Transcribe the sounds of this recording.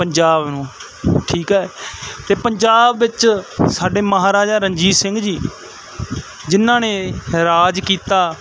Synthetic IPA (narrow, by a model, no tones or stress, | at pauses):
pəɲd͡ʒaːbnũː | ʈʰiːkɦɛːt̪eːpəɲd͡ʒaːbːɪt͡ʃsaːɖeːməɦaːɾaːd͡ʒaːɾəɲd͡ʒiːsɪŋɡd͡ʒiː | d͡ʒɪnːãːneːɾaːd͡ʒkiːt̪aː